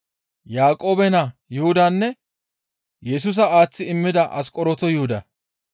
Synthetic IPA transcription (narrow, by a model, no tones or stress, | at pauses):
jaːkʼo̞ːbɛnɐjʊhʊd̪anːɛ | jɛs̬ʊs̬ɐaːt͡sːɪɪmːɪd̪ɐʔɐskʼɔɾɔt̪ɔjʊhʊd̪ɐ